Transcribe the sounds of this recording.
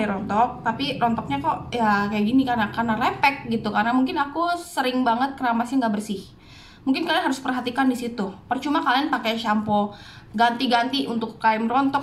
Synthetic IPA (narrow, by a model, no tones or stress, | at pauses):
iɾɔnt̪ɔk̚t̪apiɾɔnt̪ɔk̚ɲakɔjakajaʔɡinikanakarnalepɛk̚ɡit̪ukarnamuŋkɪnakusəɾɪŋbaŋət̪̚kəɾamasaŋɡaʔbərsɪh | muŋkɪnkalianɦaɾʊspərɦat̪ikandisit̪upərt͡ʃumakalianpaket͡ʃampɔɡant̪iɡant̪iunt̪ʊkːaɪmrɔnt̪ɔk